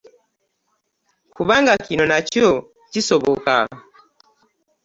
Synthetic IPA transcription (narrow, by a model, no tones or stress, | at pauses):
kuβaŋɡakinɔnat͡ʃɔ | t͡ʃisɔbɔka̰